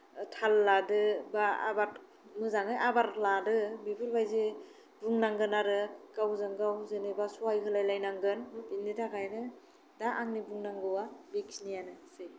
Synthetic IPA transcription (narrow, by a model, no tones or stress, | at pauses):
tʰalːadɯbaa̰baɾ | mɯzaŋɯjʔabaɾladɯbibɯɾbajze | buŋnaŋɡɯnaɾɯkawzɯŋɡawzɯnɯbasuajkʰɯlajlajnaŋɡɯnmɯpinːitʰakʰajnɯ | daʔaŋnibuŋnaŋɡɯwabeksnijanɯse